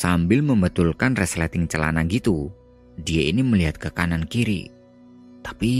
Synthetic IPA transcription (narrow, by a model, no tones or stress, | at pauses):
sambɪlməmbət̪ulkanrɛslɛt̪ɪŋt͡ʃəla̰naɡit̪u | dijainiməliɦat̪̚kəkanankiɾḭ | t̪ḁpi